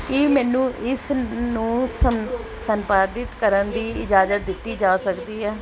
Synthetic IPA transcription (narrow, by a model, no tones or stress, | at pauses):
kiːmɛːnũːʔɪsnũːsə | səmpaːd̪ɪt̪kəɾənd̪iːɪd͡ʒaːzət̪̚d̪ɪt̪ːiːd͡ʒaːsəkd̪iːɛː